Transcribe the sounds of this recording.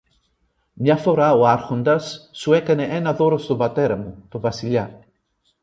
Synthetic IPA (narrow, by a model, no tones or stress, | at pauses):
mjafoɾaoaɾχond̪asːuɛkaneʔɛnaðoɾosd̪obat̪eɾamud̪̥obasilja